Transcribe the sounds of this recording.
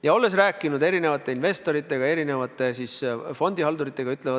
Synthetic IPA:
jɑo̞lːe̞sræːkːˑinud̪e̞ɾine̞vɑt̪ːˑe̞inve̞st̪o̞ɾit̪ːˑe̞ɡ̥ɑe̞ɾine̞vɑt̪ːˑe̞sisfo̞nʲd̪̥iɦɑld̪uɾit̪ˑːe̞ɡ̥ɑyt̪ˑlevɑ

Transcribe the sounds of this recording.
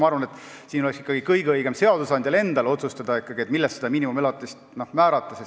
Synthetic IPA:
ɑɑrvɑnet̪ːˑsiːnoɛksi̥kːɑɡ̥ikɤjɡ̥eɯjɡ̥e̞mse̞ɑd̪̥usɑnd̪̥ʲjɑle̞nd̪̥ɑlo̞t̪sust̪ɑd̪̥ɑikːɑɡ̥iet̪milːɛst̪ed̪ɑmiːnimumelɑt̪ːˑist̪nohmæːɾɑt̪ːˑɑses

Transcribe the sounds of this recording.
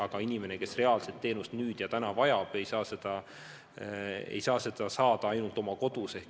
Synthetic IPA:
ɑɡ̥ɑinime̞ne̞ke̞sre̞ɑlset̪ːe̞ːnust̪nyːd̪̥jɑt̪ænɑvɑjɑb̥e̞jsɑːse̞d̪̥ɑ | ḛjsɑːse̞d̪̥ɑsɑːd̪̥ɑɑjnult̪ˑo̞mɑko̞d̪̥use̞hk

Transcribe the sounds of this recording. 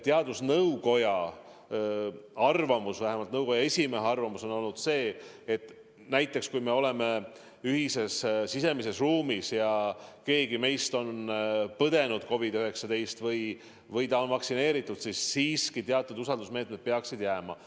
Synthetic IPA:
t̪eɑd̪usnɤwko̞jɑ | ɑrvɑmusvæɦemɑlt̪nɤwko̞jɑe̞sʲime̞ɦeɑrvɑmuso̞no̞lnud̪̥se̞ː | et̪ˑː | næjt̪ˑːe̞kskujme̞o̞le̞me̞ | yɦise̞ssise̞mise̞sruːmisjɑke̞ːɡime̞jst̪o̞npɤd̪e̞nud̪̥̚ko̞vid̪̥yɦe̞ksɑd̪e̞jst̪vɤj | vɤjt̪ɑo̞nvɑksine̞ːɾit̪ːˑud̪̥sisːiːskit̪eɑt̪ːˑud̪usɑld̪usme̞ːt̪med̪̥̚peɑksid̪̥jæːmɑ̰

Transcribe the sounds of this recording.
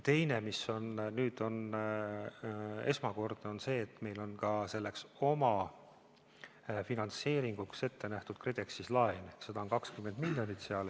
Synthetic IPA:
t̪e̞jnemiso̞nnyːd̪̥o̞n | e̞smɑko̞rd̪̥eo̞nse̞ːt̪ːˑme̞jlo̞nkɑse̞lːe̞kso̞mɑ | finɑnt̪se̞ːɾiŋɡ̥ukse̞t̪ːe̞næht̪ud̪̥̚kred̪e̞ksislɑense̞d̪̥ɑonkɑkskymːe̞nd̪milːjo̞nit̪ːseɑl

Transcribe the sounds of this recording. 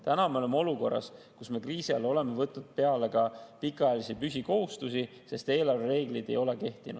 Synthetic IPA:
t̪ænɑme̞o̞lemo̞luko̞rːɑ̰s | kusme̞kriːsiɑ̰lo̞le̞me̞vɤt̪ːnud̪̥̚pe̞ɑle̞kɑpikːˑɑɑjɑlisipysiko̞ɦust̪usi | se̞st̪e̞ːlɑrveɾe̞ːɡ̥lijd̪̥e̞jo̞le̞ke̞ht̪inud̥

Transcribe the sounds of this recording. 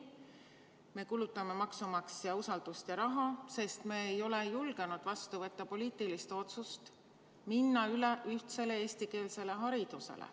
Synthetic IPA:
me̞kulut̪ːˑɑme̞mɑksumɑksjɑusɑld̪̥ust̪jɑɾɑɦɑse̞st̪me̞ejo̞le̞julɡ̥e̞nud̪̥vɑst̪uvɤ̞t̪ːˑɑpo̞liːt̪ːˑilist̪o̞t̪sust̪ | minːɑyleʔyht̪se̞leeːst̪ike̞ːlse̞le̞ɦɑɾid̪̥usḛlḛ

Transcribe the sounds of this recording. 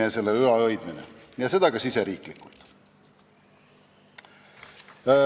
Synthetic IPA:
ese̞lːeɯɑɤjd̪minḛ | jɑse̞d̪ɑɡ̥ɑsiseɾiːklikːult̪

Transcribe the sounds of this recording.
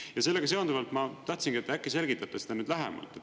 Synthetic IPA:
jɑse̞lːe̞ɡ̥ɑse̞ond̪uvɑlt̪mɑt̪ɑht̪sinŋɡ̥iet̪ːækːˑese̞lɡit̪ːˑɑt̪ːˑesed̪ɑnyːd̪læɦɛ̰mɑ̰lt̪ːˑe

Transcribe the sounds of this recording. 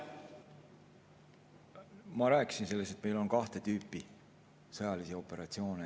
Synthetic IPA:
mɑɾæːkːˑi̥sinse̞lːest̪e̞t̪me̞jlo̞nkɑht̪e̞t̪yːpːˑi | sɤjɑlisio̞pːˑe̞ɾɑt̪sio̞ːne

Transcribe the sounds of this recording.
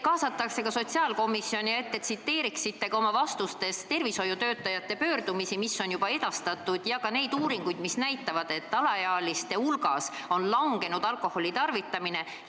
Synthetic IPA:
kɑːsɑt̪ːˑɑkse̞kɑso̞t̪ʲsiɑːlko̞misːio̞nʲiet̪ːet̪sit̪ːe̞ːɾiksit̪ːe̞kɑo̞mɑvɑst̪ust̪e̞st̪e̞rviso̞jut̪ø̞ːt̪ːˑɑjɑt̪ːe̞pø̞ːrd̪umisimisːo̞njub̥ɑe̞d̪̥ɑst̪ɑt̪ːˑud̪̥jɑkɑne̞jd̪uːɾiŋɡ̥ujd̪̥misnæjt̪ːˑɑvɑd̪̥e̞t̪ːɑlɑjɑːlist̪e̞ulɡɑs | o̞nlɑŋɡe̞nud̪̥ɑlkˑo̞ho̞lit̪ɑrvit̪ːˑɑmine̞

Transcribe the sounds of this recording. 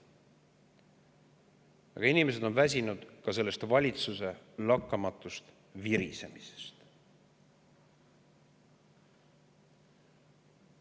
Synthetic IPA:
ɑ̰ɡ̥ɑinime̞s̬e̞d̪̥o̞nvæs̬ʲinud̪̥kɑse̞lːe̞st̪vɑlʲit̪suse̞lɑkːɑmɑt̪ːˑust̪ | viɾḭse̞mise̥st̪

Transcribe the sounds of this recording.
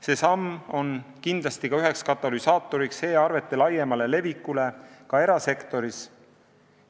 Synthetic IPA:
se̞ːsɑmːo̞nkind̪̥lɑst̪ikɑyɦekskɑt̪ːˑɑlisɑːt̪ːˑo̞ɾikshe̞ːɑrve̞t̪ˑːe̞lɑjːemɑle̞le̞vikːˑule̞kɑe̞ɾɑse̞kt̪o̞ɾis

